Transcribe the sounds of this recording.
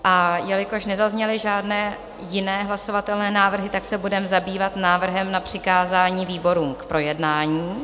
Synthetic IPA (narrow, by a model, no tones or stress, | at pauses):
ʔajɛlɪko̞ʃnɛzazɲɛlɪʒaːdnɛː | jɪnɛːɦlaso̞vat̪ɛlnɛːnaːvr̩ɦɪt̪aksɛbudɛmzabiːvat̪naːvr̩ɦɛmnapr̝̥ɪkaːzaːɲiːviːbo̞ɾuːmkpɾo̞jɛdnaːɲiː